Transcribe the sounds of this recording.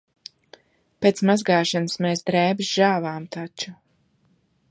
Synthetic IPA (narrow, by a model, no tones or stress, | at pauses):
peːt̪smazɡaːʃanɨsmɛːsd̪ɾɛːbisʒ̥aːvaːmt̪ʰat͡ʃu